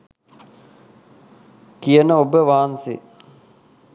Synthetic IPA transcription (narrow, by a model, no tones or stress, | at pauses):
kijənəobəʋaːnsḛ